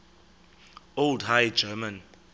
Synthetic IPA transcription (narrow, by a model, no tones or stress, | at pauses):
oldhajd͡ʒɛmãn